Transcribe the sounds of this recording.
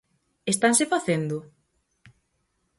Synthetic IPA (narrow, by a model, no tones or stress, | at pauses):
est̪ansefaθend̪ʊ